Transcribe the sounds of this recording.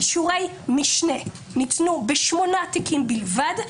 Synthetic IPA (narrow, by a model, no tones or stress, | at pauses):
ʃuʁej | miʃne | nitnubeʃmo̞naːtikimbilvad